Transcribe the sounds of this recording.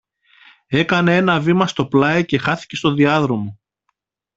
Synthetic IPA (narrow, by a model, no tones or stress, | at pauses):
e̞kɐne̞e̞nɐvimɐst̪o̞plɐice̞xɐθi̥ce̞st̪oðiɐðɾo̞mo